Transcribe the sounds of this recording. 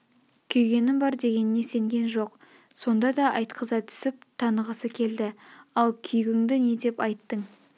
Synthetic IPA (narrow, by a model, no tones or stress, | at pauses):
kʲʰɵjɡʲe̞nɪmbɑɾd̪e̞ɡʲe̞nɪne̞se̞ŋɡʲe̞nʒo̞q | so̞nd̪ɑd̪ɑʔɑjt̪qʰəzɑt̪ʰʏ̥sɪp̚t̪ʰɑnəʁəsəkʲʰe̞ld̪ɪɑlˠkʲʰʏjɪɡʲɪŋd̪ɪne̞d̪e̞pɑjt̪ːəɴ